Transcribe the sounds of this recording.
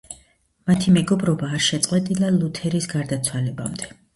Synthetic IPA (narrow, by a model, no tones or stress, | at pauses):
mat̪ʰimɛɡɔbɾɔbaːɾʃɛt̪sʼqʼwɛt̪ʼilˠalˠut̪ʰɛɾisɡaɾd̪at̪sʰwalɛba̰md̪ɛ